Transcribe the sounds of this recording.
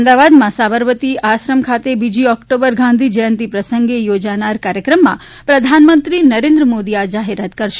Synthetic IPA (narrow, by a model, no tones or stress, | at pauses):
md̪aʋad̪mãsabəɾʋət̪iaʃɾəmkʰat̪ebid͡ʒiɔkʈobəɾɡʱãnd̪ʱid͡ʒəjə̃nt̪ipɾəsəŋɡejod͡ʒanaɾkaɾjəkɾəmːã̰ | pɾəd̪ʱanmənt̪ɾinəɾẽnd̪ɾəmod̪iad͡ʒaɦeɾat̪kəɾʃ